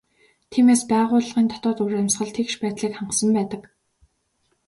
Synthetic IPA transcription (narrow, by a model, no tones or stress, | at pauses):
t̪ʰiːmeːspæːʁʊːɮʁiːnt̪ʰɔt̪ɔːt̪uɾæmsχə̆ɮt̪ʰekʃpæːt̪ɮiːkχaɴqsə̆mpæːt̪ə̆k